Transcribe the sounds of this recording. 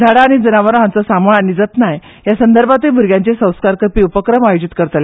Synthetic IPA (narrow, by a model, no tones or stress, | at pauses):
d͡zʱaɽaːɽ̃id͡zənaʋəɾɦãnt͡sɔsamoɭañid͡zət̪naj | jasənd̪əɾbʱat̪ubʱuɾɡʲjãɲt͡ɕesə̃w̃skaɾkəpiːupəkɾəmajud͡ʑit̪kəɾt̪le